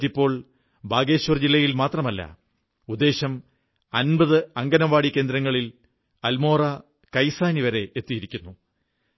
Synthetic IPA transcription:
ipːo̞ːɭ | bʱaːɡe̞ːɕʋɐrd͡ʑilːɐjilmaːt̪rɐmɐlːɐ̰ | ud̪ːe̞ːɕɐm | ɐnbɐðɨɐŋɡɐnɐʋaːɽikʲːe̞ːnd̪ɾɐŋːɐɭil | ɐlmo̞ːrɐ | kɐjsaːniʋɐɾe̞ʔet̪ːijiɾikʲːunːu

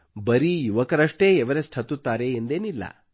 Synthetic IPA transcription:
bɐɾijuʋɐkɐɾɐʂʈeːɛʋɐɾesʈ̪ʰɐt̪ut̪ːaːɾeːnd̪eːnilːɐ̰

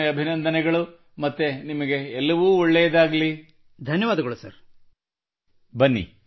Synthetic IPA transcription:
ɐbʱinɐnd̪ʱɐnɛɡɐɭu | mɐt̪ːenimɐɡe̞ːlːɐʋuːɔɭːɛjɐd̪aːɡɐli | d̪ʱɐnjɐʋaːd̪ɐɡɐɭusɐ̰ɾ | bɐnːḭ

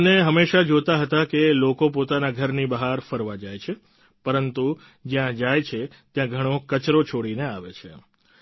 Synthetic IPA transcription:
neɦəmeʃad͡ʒot̪aɦət̪akelokopot̪anaɡʱəɾnibəɦaɾfəɾʋad͡ʒajt͡ʃʰe | pəɾənt̪u | d͡ʒjãd͡ʒajt͡ʃʰe | t̪jãɡʱəɽ̃okət͡ʃɾot͡ʃʰoɽineaʋet͡ʃʰe

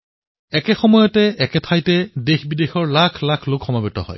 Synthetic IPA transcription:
ɛkɛxɔmɔjɔtɛɛkɛtʰajtɛdexbidexɔɹlakʰlakʰlokxɔmabɔtɔ̰hɔ̰j

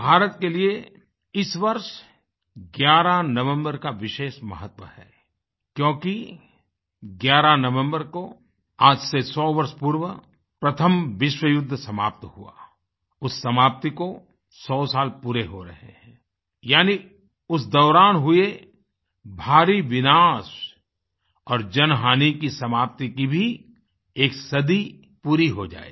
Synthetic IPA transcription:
bʱaːɾət̪kelie | ɪsʋɐɾʃ | ɡjaːɾanɐʋə̃mbəɾkaʋɪʃeːʃmɐ̰ɦət̪wə̰hɛ̰ː | kjõːki | ɡjaːɾanɐʋə̃mbəɾko | aːd͡ʒsesɔːʋɐɾʃpuːɾʋə | pɾɐt̪ʰəmʋɪʃwəjʊd̪ʱːsɐma̰ːp̚t̪hua̰ː | ʊsːɐmaːp̚t̪iko | sɔːsaːlpuːɾeɦoɾɐɦḛɦɛ̃ː | jaːni | ʊs̬d̪ɔːɾaːnɦʊe | bʱaːɾiʋɪnaːs | ɔːɾd͡ʒɐnɦaːnikisɐmaːp̚t̪ikibʱi | eːksɐd̪i | puːɾiɦod͡ʒa̰ːḛː

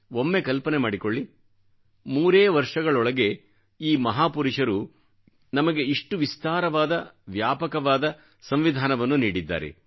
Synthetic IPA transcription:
o̞mːe̞kɐlpɐne̞maːɽiko̞ɭːi | muːɾeːʋɐɾʂɐɡɐɭɔɭɐɡe̞ | iːmɐɦaːpuɾiʂɐɾu | nɐmɐɡe̞iʂʈuʋist̪aːɾɐʋaːd̪ɐʋjaːpɐkɐʋaːd̪ɐ | sɐmʋid̪ʱaːnɐʋɐnːuniːɽid̪ːa̰ːɾe̞̰

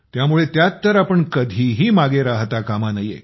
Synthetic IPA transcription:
t̪jamuɭet̪jatt̪əɾapəɳkəd̪ʱiːɦiːmaɡeɾaɦt̪akamanəjḛ

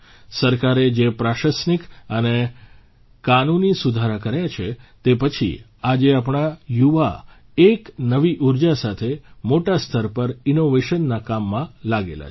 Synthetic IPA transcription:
səɾkaɾed͡ʒepɾaʃəsnikəne | kanunisud̪ʱaɾakəɾjat͡ʃʰet̪epət͡ʃʰḭ | ad͡ʒeapɳ̃ajuʋa | eknəʋiʔuɾd͡ʒasat̪ʰemoʈast̪ʰəɾpəɾinoʋeʃənːakamːãlaɡela̰t͡ʃ

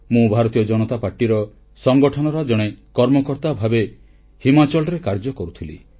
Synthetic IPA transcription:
mũbʱaɾɔt̪ijɔd͡ʒɔnɔt̪apaɾʈiɾɔ | sɔŋɡɔʈʰɔnɔɾɔd͡ʒɔɽ̃ekɔɾmɔkɔɾt̪abʱabe | himat͡ʃɔlɾekaɾd͡ʒɔkɔɾut̪ʰilḭ

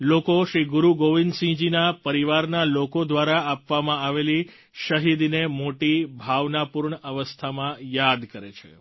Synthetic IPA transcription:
lokoʃɾiɡuɾuɡoʋinsĩd͡ʒinapəɾiʋaɾnalokod̪ʋaɾaapʋamãaʋeli | ʃəɦid̪nemoʈibʱaʋnapuɾɳəəʋəst̪ʰamãjad̪kəɾet͡ʃʰḛ

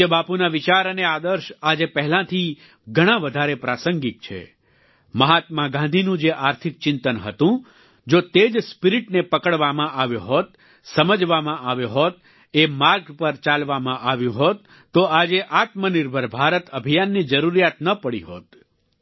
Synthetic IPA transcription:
ebapunaʋit͡ʃaɾənead̪əɾʃad͡ʒepɛɦlãt̪ʰi | ɡʱəɽ̃ãʋəd̪ʱaɾepɾasəŋɡik̚t͡ʃʰḛ | məɦat̪mãɡãnd̪ʱinũd͡ʒeʔaɾt̪ʰik̚t͡ʃɪnt̪ənɦət̪ũ | d͡ʒot̪ed͡ʒspiɾiʈnepəkəɽʋamãʔaʋjõɦot̪̚ | səməd͡ʒʋamãʔaʋjõɦot̪̚ | emaɾɡpəɾt͡ʃalʋamãʔaʋjũɦot̪ː | oad͡ʒeʔat̪məniɾbʱəɾbʱaɾət̪əbʱijanːid͡ʒəɾuɾijat̪nəpəɽḭɦo̰t̪

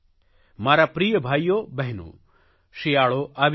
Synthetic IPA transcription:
maːɾapɾijəbʱaːjjobɛɦnṵː | ʃijaːɭoʔaʋ

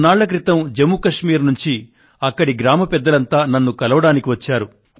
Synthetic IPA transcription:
naːɭːɐk̬ɾit̪ɐmd͡ʒemukɐʂmiːɾnuɲt͡ʃi | ɐkːɐɽiɡɾaːmɐpɛd̪ːɐlɐnt̪aːnɐnːukɐlɐʋɐɽaːnikiʋɐt͡ʃːaːɾu

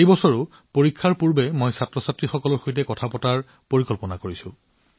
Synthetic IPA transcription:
ejbɔsɔɹʊ | poɹikʰːaɹpuɹbɛmojsatɹɔsatɹixɔkɔlɔɹxojtɛkɔtʰapɔtaɹ | poɹikɔlpɔnakoɹisʊ̃

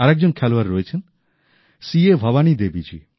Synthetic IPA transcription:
aɾɛk̚d͡ʑonkʰɛloaɾːɔet͡ɕʰen | siebʱɔβanid̪ebid͡ʑḭ

